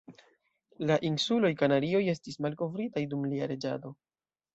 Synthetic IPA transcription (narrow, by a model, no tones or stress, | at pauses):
laʔinsulo̞jkanaɾio̞je̞stismalko̞vɾitajdumliaɾe̞d͡ʒa̰do̞